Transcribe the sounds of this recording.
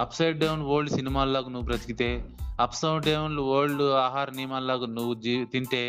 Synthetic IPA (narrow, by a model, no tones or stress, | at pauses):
ɐpʰsɐjɖɖɐwnʋoːɭːusinimaːlːaːɡunuʋupɾɐt̪ikit̪eːɐpʰsɐwʈɖɐunluʋoːluaːɦaːɾnimaːlːaːɡunuʋud͡ʒit̪iɳʈ̪eː